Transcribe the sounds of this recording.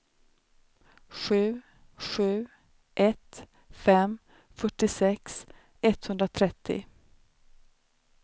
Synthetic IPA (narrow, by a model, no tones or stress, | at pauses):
ɧʉ̟ː | ɧʉ̟ː | ʔɛt̪ | fɛm | fœʈːɪsɛks | ɛt̪hɵnd̪ɾat̪ʰɾɛt̪ʰːɪ̰